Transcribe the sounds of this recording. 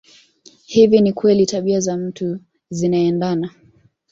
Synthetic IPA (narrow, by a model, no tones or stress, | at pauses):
hivinikwɛlitaɓiazam̩tu | zinaɛndana